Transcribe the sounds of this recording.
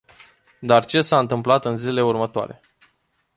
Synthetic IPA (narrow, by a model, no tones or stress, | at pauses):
d̪art͡ʃe̞saɨnt̪ɨmplat̪ɨnzilele̞urmət̪oa̰ɾe̞̰